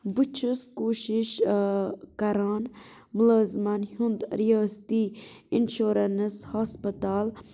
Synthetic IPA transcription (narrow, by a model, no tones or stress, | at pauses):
but͡ʃʰuskoːʃiʃ | kɐɾaːn | mulaːzmɐnhund̪ɾijaːst̪iinʃoːɾɐnshaːspɐt̪aːl